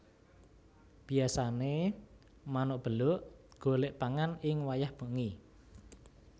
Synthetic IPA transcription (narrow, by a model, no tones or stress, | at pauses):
b̥i̤asane | manʊʔb̥ə̤lʊʔɡ̥o̤leʔpaŋanɪŋwajahb̥ə̤ʔŋi